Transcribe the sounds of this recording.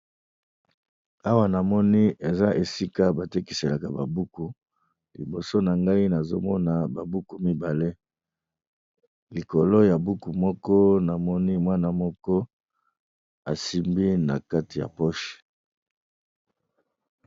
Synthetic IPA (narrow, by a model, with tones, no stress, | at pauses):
a˦wa˦na˨mɔ˦ni˦e˨za˦ʔe˨si˦ka˦ba˨te˦ki˨se˨la˨ka˨ba̰˨bu˦ku˨ | lḭ˨bo˨so˦na˨ŋɡa˦i˦na˨zo˦mɔ˦na˨ba˨bu˦ku˨mi˦ba˨le˦ | li˨ko˨lo˦ja˨bu˦ku˨mɔ˦kɔ˦na˨mɔ˦ni˦mwa˦na˨mɔ˦kɔ˦ | a̰˨si˦mbi˦na̰˨ka˦ti˨ja̰˨pɔ˦ʃi̥˨